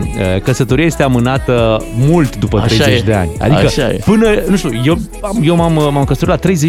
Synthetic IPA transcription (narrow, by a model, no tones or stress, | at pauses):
əkəsət̪o̞ɾiaje̞st̪e̞amɨnat̪əmult̪d̪upət̪ɾe̞jzet͡ʃd̪e̞a̰nʲa̰d̪ikəḛpɨnənuʃt̪ʲujew | amje̞wmammamkəsət̪ɾut̪lat̪ɾe̞jze